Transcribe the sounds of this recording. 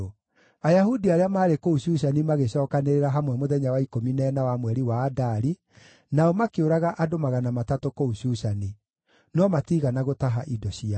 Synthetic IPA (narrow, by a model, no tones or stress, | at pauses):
ajaɦudiaɾeamaːɾekouɕuːɕanimaɣeɕɔːkaneɾeɾaɦamwɛmoðɛɲawaikominɛːnawamwɛɾiwaːdaɾi | naɔmakeoɾaɣaʔadomaɣanamatatokouɕuːsani | nɔmatiɣanaɣotaɦaʔidɔɕia